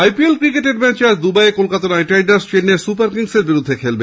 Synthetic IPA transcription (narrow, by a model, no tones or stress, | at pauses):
ajpielkɾikeʈeɖmɛt͡ɕaɾd̪ubajekolkat̪anajʈajɖaɾsʈenːesupaɾkiŋseɾbiɾud̪ʱːekʰelbe